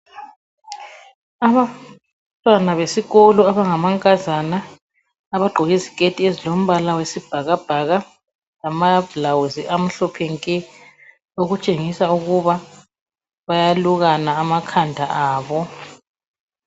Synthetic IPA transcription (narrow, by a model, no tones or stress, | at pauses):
aβa | tʼwanaβesiɣolɔaβaŋamaŋkʼazanaː | βaɡ͡ǃʱɔɣizikʼetʼiezilom̩βalawesib̥ʱaɣab̥ʱaɣa | lamablawuziʔam̩ɬɔpʰɛŋkʼɛ | oɣut͡ʃʼeŋisauɣuβa | βajaluɣanaːmakʰandʱaʔaːβɔ